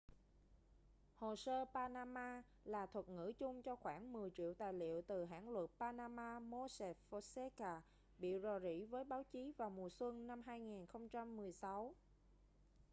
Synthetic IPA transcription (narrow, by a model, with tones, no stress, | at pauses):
ho˨˩səː˧paː˧naː˧maː˧ | laː˨˩t̪ʰwə˨˩t̚ŋɨ̰˧˥t͡ɕʊ˧ŋ͡mt͡ɕɔ˧xwaː˧˩nmɨ˨˩əjt͡ɕḭ˧˨əwt̪aː˨˩jlḭ˧˨əwt̪ɨ˨˩ɦa̰ː˧˥nlwə˨˩t̚paː˧naː˧maː˧mo˧sɛ˨˩fo˧sɛ˧kaː˧˩ | ɓḭ˧˨zo˨˩zḭ˧˥vəː˨˦jɓaː˨˦wt͡ɕi˨˦vaː˨˩wmu˨˩əswə˧ŋna˧mɦaː˧jŋi˨˩nxə˧wŋ͡mt͡ɕa˧mːɨ˨˩əjsa˨˦w